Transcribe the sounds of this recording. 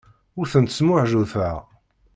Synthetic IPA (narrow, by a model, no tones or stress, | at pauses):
ʊɾθənt̪smʊʕʒuθæ